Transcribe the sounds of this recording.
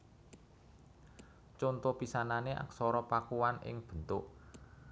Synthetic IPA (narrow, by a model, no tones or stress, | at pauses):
t͡ʃɔnt̪ɔpisananeʔa̰ksɔɾɔpakuwanɪ̰ŋb̥ə̤nt̪ʊʔ